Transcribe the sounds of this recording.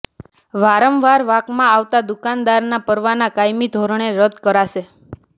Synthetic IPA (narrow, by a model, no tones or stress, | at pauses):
ʋaɾəmʋaɾʋakmãaʋt̪ad̪ukand̪aɾnapəɾʋanakajmid̪ʱoɾɳeɾəd̪ʱkəɾaʃe